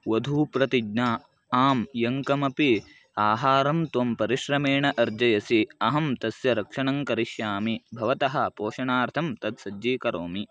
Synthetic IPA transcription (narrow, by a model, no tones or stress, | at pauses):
ʋɐd̪ʱuːpɾɐt̪iɡnaː | aːmjɐŋkɐmɐpi | aːɦaːɾɐmt̪ʋɐmpɐɾiʃɾɐmeːɳɐʔɐɾd͡ʒɐjɐsiɐɦɐmt̪ɐsjɐɾɐkʂɐɳɐŋkɐɾiʃjaːmibʱɐʋɐt̪ɐɦɐ̆poːʃɐɳaːɾt̪ʰɐmt̪ɐd̪sɐd͡ʒːiːkɐɾoːmi